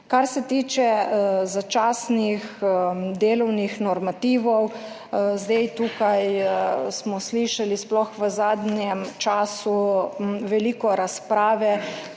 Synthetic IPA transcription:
kaɾsɛt̪iːt͡ʃɛzat͡ʃaːsnixd̪eːlɔwnixnɔɾmat̪iːʋɔw | zd̪ejt̪uːkajsmɔsliʃalisplɔxʋəzaːd̪njɛmt͡ʃaːsu | ʋɛliːkɔɾaspɾaːʋɛ

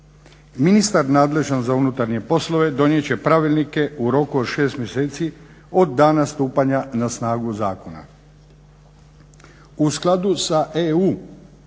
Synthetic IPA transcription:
minist̪aɾnaːd̪le̞ʒanzaunut̪aɾɲe̞po̞slo̞ʋe̞d̪o̞nje̞t͡ɕe̞pɾaʋilnike̞uɾo̞kuod̪ʃe̞ːst̪mjeseːt̪si | o̞d̪ːaːnast̪uːpaɲanasnaːɡuzaːkona̰ | usklˠad̪usaʔeuː

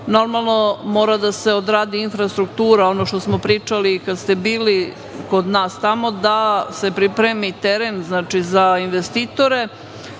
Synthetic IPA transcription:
no̞ɾmalˠno̞mo̞ːɾad̪ase̞od̪ɾaːd̪iinfɾast̪ɾukt̪uːɾao̞no̞ʃt̪o̞smo̞pɾiːt͡ʂalikad̪st̪e̞biːli | ko̞d̪naːst̪amo̞d̪ase̞pɾipɾemit̪eɾenznaːt͡ʃizainʋest̪it̪o̞ɾe̞

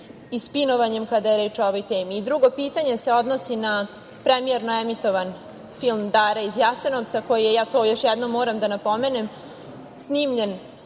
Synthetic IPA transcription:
ispino̞ʋaɲe̞mkad̪ajeɾe̞ːt͡ʃooʋojt̪eːmiːd̪ɾuɡo̞piːt̪aɲe̞se̞o̞d̪no̞sina | pɾemieɾnoɛmit̪o̞ʋan | filˠmd̪aːɾaizjase̞noʋt̪sako̞jijejaːt̪o̞ːjo̞ʃjɛd̪nomːoːɾamd̪anapo̞me̞ne̞m | sniːmʎe̞n

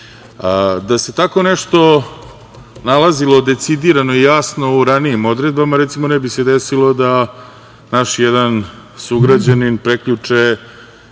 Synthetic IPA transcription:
d̪ase̞t̪ako̞neʂt̪o̞ | nalazilˠo̞d̪e̞t̪sid̪iɾano̞ijaːsno̞uɾaniimo̞d̪ɾe̞d̪̚bamaɾɛt̪simo̞nɛbise̞d̪esilˠo̞d̪a | naʃjɛd̪an | suɡɾad͡ʑaninpɾekʎut͡ʂe

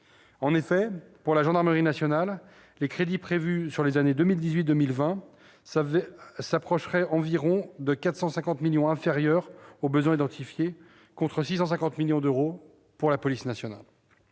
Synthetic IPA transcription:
ɑ̃nefɛpuʁlaʒɑ̃d̪aʁməʁinasjɔnalː | ekχed̪ipχevysyʁlezaned̪əmild̪izɥit̪̚d̪əmilvɛ̃ | sapχɔʃʁɛʔɑ̃viʁɔ̃d̪əkat̪χsɑ̃sɛ̃kɑ̃t̪miljɔ̃ɛ̃feʁjœʁobəzwɛ̃id̪ɑ̃t̪ʰifje | kɔ̃t̪χəsis̬ɑ̃s̬ɛ̃kɑ̃t̪miljɔ̃d̪øʁo | puʁlapɔlisnasjɔna̰l

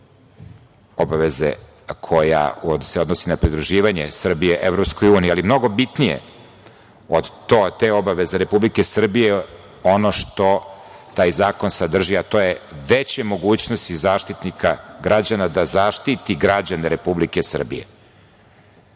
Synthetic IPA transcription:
obaʋezḛ | kʰo̞ja̰oseo̞d̪nosinapɾid̪ɾuʒiːʋaɲḛsr̩bijeʔevɾo̞pskojuːniːalimno̞ɡo̞bit̪nijḛ | od̪t̪ot̪eo̞baʋe̞zeɾe̞publikesr̩bije | o̞no̞ʂt̪o̞t̪aːjzaːko̞nsad̪r̩ʒiat̪oːjeʋet͡ɕemo̞ɡuːt͡ɕno̞st̪izaːʃt̪it̪nikʰaɡɾad͡ʑanad̪azaʃt̪it̪iɡɾad͡ʑaneɾe̞publikesr̩bḭjḛ

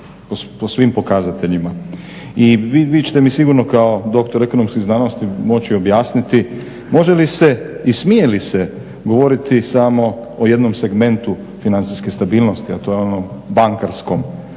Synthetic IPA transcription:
poposʋimpo̞kazat̪ʰe̞ʎima | iʋiʋit͡ʃe̥t̪emisiɡuɾnokao̞d̪o̞k̚t̪o̞ɾe̞ko̞no̞mskiznano̞st̪imo̞t͡ɕio̞bjaːsnit̪i | mo̞ʒe̞liseismijelise | ɡo̞ʋo̞ɾit̪isamo̞ | oje̞d̪no̞mse̞ɡmẽ̞nt̪u | finant̪siskest̪abiːlno̞st̪iat̪o̞jeo̞nombaŋkaɾsko̞m

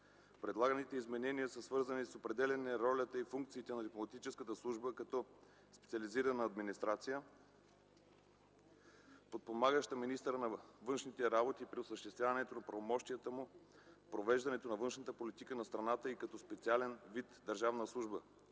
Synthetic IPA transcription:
pɾɛd̪lˠaɡənit̪ɛizmɛnɛniəsəsvɤɾzənisopɾɛd̪ɛlɛnɛɾɔlʲət̪əifuŋk̚t̪siːt̪ɛnɐd̪iplˠomɐt̪it͡ʃɛskət̪əslˠuʒbəkɐt̪ɔ | spɛ̥t̪siəliziɾɐnəːd̪minist̪ɾat̪sijə | pot̪̚pomaɡəʃt̪əminist̪ɾənɐvɤnʃnit̪ɛɾabot̪iːpɾiosəʃt̪ɛst̪vʲjavɐnɛt̪onɐpɾɐvomɔʃt̪ijət̪əmu | pɾovɛʒd̪ɐnɛt̪onɐvɤnʃnət̪əpolit̪ikənɐst̪ɾɐnat̪əikɐt̪ɔspɛt̪sialɛnvit̪d̪ɐɾʒavnəslˠuʒbə

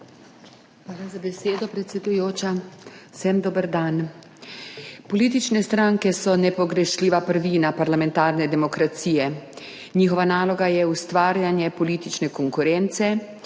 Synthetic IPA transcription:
xʋaːlazabɛseːd̪ɔpɾɛt̪sʲɛd̪ujoːt͡ʃasɛmd̪oːbəɾd̪an | pɔliːt̪it͡ʃnɛst̪ɾaŋkɛsɔnɛpɔɡɾɛʃliːʋapəɾʋiːnapaɾlamɛ̃nt̪aːɾnɛd̪ɛmɔkɾat̪siːjɛ | ɲiːxɔʋanaːlɔɡajɛust̪ʋaːɾjanjɛpɔliːt̪it͡ʃnɛkɔŋkuɾɛnt̪sɛ

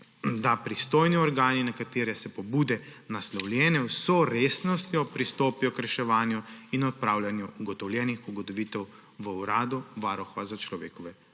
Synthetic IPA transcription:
d̪apɾist̪oːjniɔɾɡaːninakat̪eːɾɛsɛpɔbuːd̪ɛnaslɔwlʲjɛːnɛwsɔɾeːsnɔst̪jɔpɾist̪oːpijɔkɾɛʃɛʋaːnjuinɔt̪̚pɾaːwlʲjanjuːɡɔt̪ɔwlʲjɛːnixuɡɔt̪ɔʋiːt̪ɛw | ʋəuɾaːd̪uʋaːɾɔxʋazat͡ʃlɔʋḛːkɔʋɛ

